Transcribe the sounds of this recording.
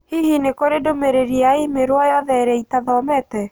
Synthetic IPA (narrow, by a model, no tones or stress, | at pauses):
hiɦinekoɾedomeɾeɾiaemeɾwajɔðɛɾɛitaðɔmɛtɛ